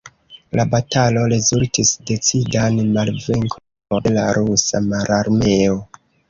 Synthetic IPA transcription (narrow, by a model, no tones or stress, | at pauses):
lʔabatalo̞ɾezultisde̞t͡sidanmalveŋkʰ | laɾusamaɾʔaɾme̞o